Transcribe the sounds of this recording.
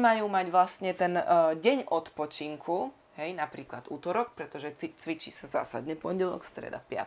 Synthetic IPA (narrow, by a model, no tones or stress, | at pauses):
majuːmaɟʋlasɲɛt̪ɛnɟɛɲʔɔt̪pɔt͡ʃiŋkʰu | ɦɛjnapɾiːklad̪uːt̪ɔɾɔk̚pɾɛt̪ɔʒɛit͡sʋit͡ʃḭːsaza̰ːsa̰d̪ɲɛpɔɲɟɛlɔ̰kst̪ɾɛ̰d̪a̰pɪa̰t̪